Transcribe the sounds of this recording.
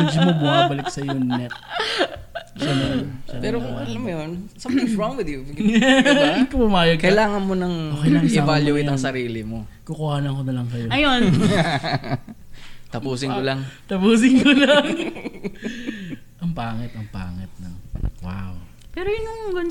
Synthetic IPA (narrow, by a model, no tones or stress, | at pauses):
mɛd͡ʒɪmobʊmaːbɐlɪk̚sɐjʊŋnɛt̚ | sɐnɐnsɐpɛːɾolɐmɐjonsɐt̪ɪŋsoŋwɪd̪iakʊpʊmaːjɐɡkɐjlaːŋɐnmonɐŋoːkɐjnɐʔɪɛavaljuej̪ɐŋsɐɾiːlɪmo | kokʊhaːnɐŋkonɐlɐŋsɐjoɐjon | t̪ɐpuːsɪŋkolɐŋt̪ɐpuːs̬ɪŋkolɐŋ | ʔɐŋpaːŋɛt̪ɐŋpa̰ːŋɐt̪̚no̰wa̰w | pɛːɾojʊnɐŋɡʊn